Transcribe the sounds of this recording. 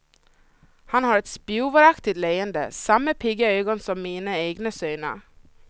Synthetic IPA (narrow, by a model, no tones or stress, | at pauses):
hɑnhɑːɾɛt̪spjuːʋəɾɑkt̪ɪt̪leɪənd̪ə̰sɑmːəpʰɪɡəœʏɡɔnsɔmːiːnəeːɡnəsœʏnə̰